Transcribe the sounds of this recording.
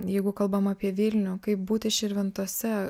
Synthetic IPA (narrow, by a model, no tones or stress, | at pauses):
jɛɪɡʊkɐlˠbɐmaːpʲiɛʋʲɪlʲnʲʊkɐɪp̚buːt̪ʲɪʃʲɪɾʲʋʲɪnt̪uɔsʲɛ